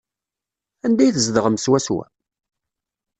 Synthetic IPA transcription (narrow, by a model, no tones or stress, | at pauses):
ænd̪æjθəzd̪əʁəmswæswæ̰